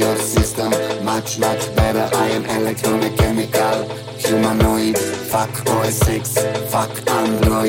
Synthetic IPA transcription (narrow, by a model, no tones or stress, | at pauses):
ɔɾsɪstə̃mːat͡ʃmat͡ʃbɛɾəʔaɪə̃nɛlɛk̚t̪ʰɹɔnɪkʰːɛmɪkal | ʃɪmanɔidfakɔsɪksfakãndlɔ